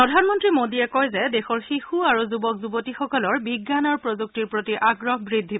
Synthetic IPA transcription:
pɹɔdʱanmɔntɹimodiɛkɔjzɛdexɔɹxixuaɹuzubɔkzubotixɔkɔlɔɹbiɡːanɔɹpɹɔzuk̚tiɹpɹotiʔaɡɹɔɦbɹidʱːi

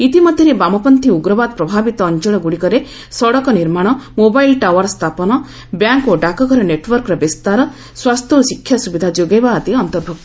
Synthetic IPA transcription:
it̪imɔd̪ʱjɔɾebamɔpɔnt̪iuɡɾɔbad̪̚pɾɔbʱabit̪ɔːnt͡ʃɔɭ̃ɔɡuɽikɔɾe | sɔɽɔkɔniɾmaɽ̃ɔmobajlʈawɔɾst̪ʰapɔnɔ | bjaŋkoɖakɔkɔɾɔneʈwɔɾkɔɾɔbist̪aɾɔ | swast̪ʰɔːsikʰːjasubid̪ʱad͡ʒoɡejbaːt̪iɔnt̪ɔɾbʱɔk̚t̪

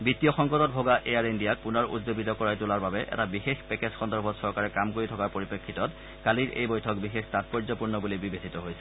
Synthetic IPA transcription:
bitijɔxɔŋkɔtɔt̚bʱoɡaʔeaɹendijak̚punɔɹṵtzobitɔkɔɹajtʊlaɹbabɛʔɛ̰tabixexpɛkezxɔndɔɹbʱɔtsɔɹkaɹɛkamkoɹitʰɔkaɹpoɹipekʰːitɔt | kaliɹʔḛjbɔjtʰɔk̚bixextat̚pɔɹzɔpuɹnɔbulibibesʰitɔɦojsʰɛ̥

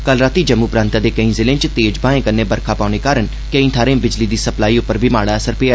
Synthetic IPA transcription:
kəlɾaːt̪iːd͡ʒəmːũːpɾãːnt̪aːd̪eːkəĩːzɪlẽːt͡ʃt̪eːd͡ʒbaːẽːkənːeːbəɾkʰaːpaːʊñeːkaːɾən | kəĩːt̪ʰaːɾẽːbɪd͡ʒliːd̪iːsəplaːiːʊpːəɾbʱiːmaːɽaːəsəɾpeːa

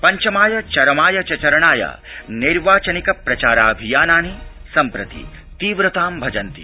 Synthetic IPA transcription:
pɐɲt͡ʃɐmaːjɐt͡ʃɐɾɐmaːjɐt͡ʃɐt͡ʃɐɾɐɳaːja̰ːniɾʋaːt͡ʃɐnikɐpɾɐt͡ʃaːɾaːbʱijaːnaːnisɐmpɾɐt̪ḭ | t̪iːʋɾɐt̪aːmbʱɐd͡ʒɐnt̪ḭ

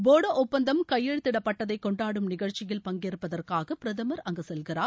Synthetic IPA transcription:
boːɽɐʔɔpːɐnd̪ɐmkɐjːɛɻɯt̪ːɪɽɐpːɐʈːɐðɐɪkːɔɳɖaːɽɯmnɪɣɐɻt͡ʃɪjɪlpɐŋɡeːɾɯpːɐðɐrkaːɣɐpɪɾɐðɐmɐɾɐŋɡɐsɛlɣɪraːɾ

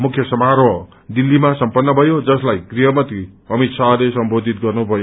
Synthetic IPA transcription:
mukʰjʌsʌmaɾwʌ | d̪ilːimasʌmpʌnːʌbʱʌjod͡zʌslajɡriɦʌmʌt̪riʌmit̪sʰalesʌmbod̪ʱit̪̚ɡʌrnubʱʌjo

